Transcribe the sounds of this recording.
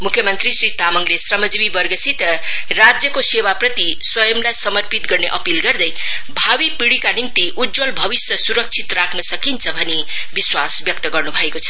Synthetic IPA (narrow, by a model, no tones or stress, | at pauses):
mukʰjʌmʌnt̪risrit̪amʌŋlesrʌmʌd͡zibibʌrɡʌsit̪ʌ | rad͡zjʌkosewaprʌt̪iswʌjʌmlajsʌmʌrpit̪ɡʌrneʔʌpilɡʌrd̪ʌj | bʱawipiɽikanimt̪iʔud̪d͡zʌlbʱʌbisjʌsuɾʌk̚t͡sʰit̪rakʰnʌsʌkint͡sʰʌbʱʌne | biswasbjʌk̚t̪ʌɡʌrnubʱʌekot͡sʰʌ̥